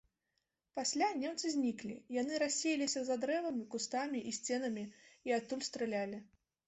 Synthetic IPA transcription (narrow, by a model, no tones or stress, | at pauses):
pasʲlʲanʲɛmt̪sɨzʲnʲiklʲḭjanɨɾasʲːejɛlʲisʲɐzad̪ɾɛvɐmʲikust̪amʲiʔisʲt͡sʲɛnɐmʲiiat̪ːulʲst̪ɾɨlʲalʲi